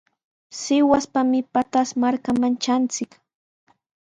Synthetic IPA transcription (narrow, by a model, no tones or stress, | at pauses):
sɪwaspamɪpat̪asmaɾkamant͡ʃant͡sɪk